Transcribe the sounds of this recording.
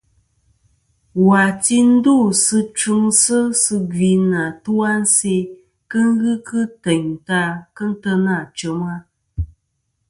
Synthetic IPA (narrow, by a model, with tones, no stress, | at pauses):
wa˨ti˦n̩˦du˦˨sɨ˧t͡ʃu˧˦ŋsɨ˦sɨ˧ɡi˧na˨tu˦a˦n̩˦se˧ | kə˦ŋ˦ɣɨ˦kɨ˦tɛ˨ɲta˧kə˦n̩˦tə˧na˦˨t͡ʃə˨˦ma˦